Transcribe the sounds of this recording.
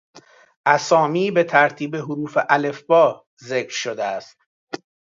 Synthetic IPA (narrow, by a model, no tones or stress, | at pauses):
ʔæsɒːmiːbe̞t̪ʰæɾt̪ʰiːbeɦoɾuːfeʔæle̞fb̥ɒː | zeːkɾʃod̪eæst̪̚